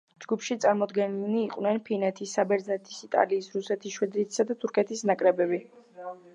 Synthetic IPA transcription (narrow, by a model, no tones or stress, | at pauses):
d͡ʒɡupʰʃit̪sʼaɾmɔd̪ɡɛnniːqʼwnɛnpʰinɛt̪ʰisːabɛɾdznɛt̪ʰi̥sit̪ʼa̰liːsɾusɛt̪ʰisʃwɛd̪ɾit̪ʰi̥sad̪at̪ʰuɾkʰɛt̪ʰisnakʼɾɛbɛbi